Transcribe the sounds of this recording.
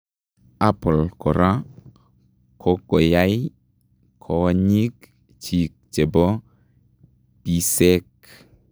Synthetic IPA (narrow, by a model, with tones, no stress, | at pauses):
a˦pɔ˨lkɔ˨ɾʔa˦ | kʰo˦ko˨ja˦j | kʰoɲi˦k | t͡ʃi˨k̚t͡ʃe˨bo˦ | pi˦se˦k̚